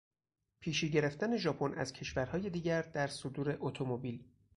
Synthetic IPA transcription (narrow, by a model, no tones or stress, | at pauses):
pʰiːʃiːɟe̞ɾe̞ft̪æne̞ʒɒːpʰo̞næ̰z̥cʰe̞ʃvæɾhɒːje̞d̪iːɟæɾd̪æɾsod̪uːɾe̞ʔot̪ʰo̞mobiːl